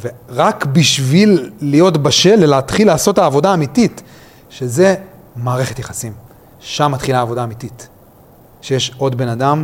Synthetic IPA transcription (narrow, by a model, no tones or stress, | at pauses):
veʁakbiʃvilːijo̞tbaʃe̞lelaːtχilːaːso̞taːvo̞daːmitit | ʃe̞ze̞ | maːʁe̞χe̞tjaχasim | ʃamːatχilaːvo̞daːmitit | ʃejeʃo̞dbe̞nadam